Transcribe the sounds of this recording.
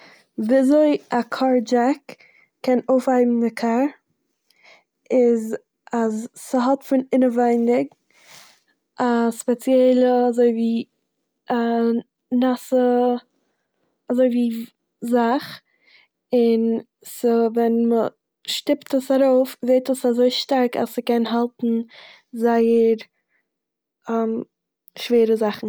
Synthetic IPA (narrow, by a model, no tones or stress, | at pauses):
vizoɪakʰɔɾd͡ʒɛk | kɛnoʊfaɪbm̩dɪkʰaɾ | ɪz | azːəɦɔtfɪnɪnəvaɪndɪɡ | ʔaspɛt͡sjɛɪlˠəazoɪviː | a | nasə | azoɪviː | zaχ | ɪn | səvɛnmə | ʃtɪptəsaɾoʊfzeɪtəsazoɪʃtaɾka̰səkɛnɦalˠtn̩ | zaɪəɾ | ɛm | ʃveːɾəzaχn̩